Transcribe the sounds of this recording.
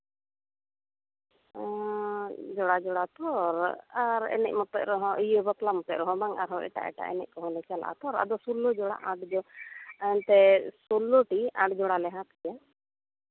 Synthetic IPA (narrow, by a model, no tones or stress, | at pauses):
d͡ʒɔɽad͡ʒɔɽat̪ɔɾaɾɛ̰nɛ̰c̚ˀmɔt̪ɔʔɾɔɦɔ̃ʔəjəbɔt̪lamɔt̪ɔʔɾɔɦɔ̃baŋaɾɦɔʔɛ̰ʈa̰ʔɛ̰ʈa̰ʔɛ̰nɛ̰c̚kɔɦɔ̃nɛt͡ʃalʔa̰t̪ɔɾa̰d̪ɔsulɔd͡ʒɔɽa̰ʔãɖd͡ʒɔ | nt̪ɛsulːoʈiãɖd͡ʒɔɽalɛɦãt̪ɛja